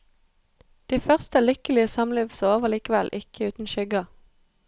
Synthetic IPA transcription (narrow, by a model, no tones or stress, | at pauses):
d̪̥iːfœʁst̪əlʏkəlɪəsɑmliːʋsoːʋəʁliːkəʋɛlʔɪkʰəʉːt̪n̩ʃʏɡɑ